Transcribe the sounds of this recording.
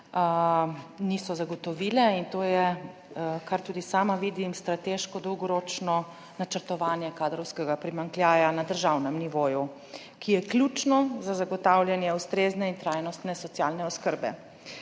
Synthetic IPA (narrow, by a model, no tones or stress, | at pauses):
nisɔzaɡɔt̪ɔʋiːlɛint̪oːjɛ | kaɾt̪uːd̪isaːmaʋiːd̪imst̪ɾat̪eʃkɔd̪ɔwɡɔɾoːt͡ʃnɔ | nat͡ʃəɾt̪ɔʋaːnjɛkaːd̪ɾɔwskɛɡapɾimaŋkljaːjanad̪əɾʒawnɛmniʋoːju | kijɛklʲjut͡ʃnɔzazaɡɔt̪awlʲjɛnjɛust̪ɾeːznɛint̪ɾajnɔst̪nɛsɔt̪sjaːlnɛɔskəɾbɛ̰